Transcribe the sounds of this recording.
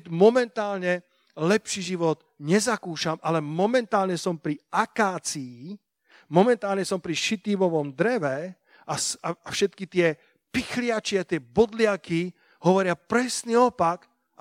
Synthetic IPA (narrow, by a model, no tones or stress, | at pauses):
mɔmɛnt̪aːlɲɛ | lɛpʃiʒiʋɔd̪ | ɲɛzakuːʃamalɛmɔmɛnt̪aːlɲɛsɔmpɾiakaːt͡sii | mɔmɛnt̪aːlɲɛsɔmpɾiʃit̪iːʋɔʋɔmd̪ɾɛʋɛ | ʔasaafʃɛt̪kit̪ɪɛ | pixlɪat͡ʃɪiat̪ɪɛbɔd̪lɪaki | ɦɔʋɔɾɪapɾɛsniɔpak | ʔa